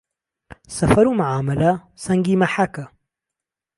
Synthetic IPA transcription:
sɐfɐɾumaʕaːmɐlɐ | sɐŋɡiːmɐħakɐ

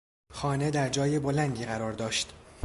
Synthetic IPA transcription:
xɒːne̞d̪æɾd͡ʒɒːjebolænd̪iːɣæɾɒːɾd̪ɒːʃt̪

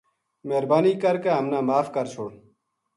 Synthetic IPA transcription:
meːɾbaːniːkəɾkeɦəmnãːmaːfkəɾt͡ʃʰoːɽ

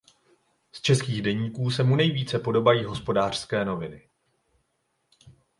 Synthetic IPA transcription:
st͡ʃɛskiːɣdɛɲiːkuːsɛmunɛjviːt͡sɛpo̞do̞bajiːɦo̞spo̞daːr̥skɛːno̞vɪnɪ

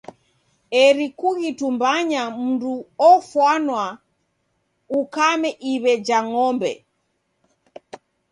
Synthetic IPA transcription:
ɛɾikuɣitumbaɲam̩nduɔfwanwa | ukamɛʔiβɛd͡ʒaŋɔmbɛ̰

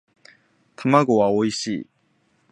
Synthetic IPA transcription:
t̪ʰamaɡowaoiɕ͈i

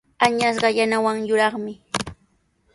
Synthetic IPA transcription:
aɲasɢɑjanawaŋjʊɾɑχmɪ

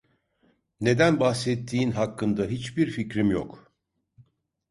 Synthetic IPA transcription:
ne̞d̪ænbahsɛt̪ʰːiːnɦakːɯnd̪aɦit͡ʃbiɾficɾimjo̰k

